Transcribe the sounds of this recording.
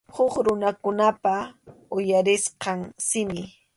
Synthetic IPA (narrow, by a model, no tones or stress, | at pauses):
hʊχɾʊnakʊnapaʊjaɾɪsqɑŋsɪmɪ